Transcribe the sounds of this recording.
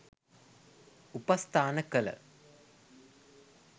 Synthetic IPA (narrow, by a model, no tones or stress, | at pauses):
upɐst̪ʰaːnɐkːɐlɐ̰